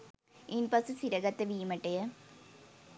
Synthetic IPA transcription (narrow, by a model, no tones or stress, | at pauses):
inpɐsɨsiɾɐɣɐt̪ːeʋiːmɐʈːejɐ